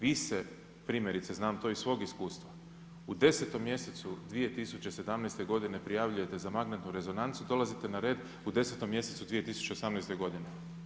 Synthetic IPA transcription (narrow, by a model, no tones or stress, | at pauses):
ʋise | pɾiːmje̞ɾit̪seznaːmt̪o̞isʋo̞ːɡiskuːst̪ʋa | ud̪e̞set̪o̞mːje̞se̞t̪sud̪ʋije̞t̪isut͡ɕe̞se̞d̪amnejst̪e̞ɡo̞d̪ine̞pɾijaʋʎuje̞t̪e̞zamaɡnet̪nuɾe̞zo̞nant̪sud̪o̞lazit̪e̞naɾe̞ːd̪ | ud̪e̞set̪o̞mːje̞se̞t̪sud̪ʋije̞t̪isu̥t͡ɕe̞osamnejst̪e̞ɡo̞d̪ine̞